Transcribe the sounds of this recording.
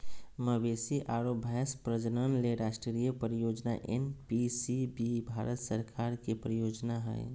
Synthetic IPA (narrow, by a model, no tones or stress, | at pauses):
məbeːsiʔaːɾobʱɛspɾəd͡ʒnənleɾaːsʈɾijəpəɾijoːd͡ʒna̰ʔḛnpisibibʱaːɾʔət̪səɾkʰaːɾkipɾəjoːd͡ʒnaɦɛ̰ː